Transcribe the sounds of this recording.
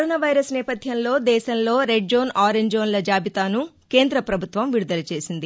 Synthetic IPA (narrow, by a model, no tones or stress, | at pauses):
ɾoːnaːʋɐjɾɐsnɛːpɐd̪ʱjɐmlo̞ːd̪ɛːʃɐmlo̞ːɾeɖ̚d͡ʒo̞ːnaːɾeɲd͡ʒoːnlɐd͡ʒaːbʱit̪aːnu | ke̞ːnd̪ɾɐpɾɐbʱut̪ʋɐmʋiɾud̪ɐlɐt͡ʃe̞ːsind̪i